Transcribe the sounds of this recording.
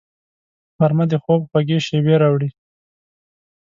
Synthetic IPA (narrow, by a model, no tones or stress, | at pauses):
faɾmad̪əxob̚xwaɡeʃeweɾɑwɽi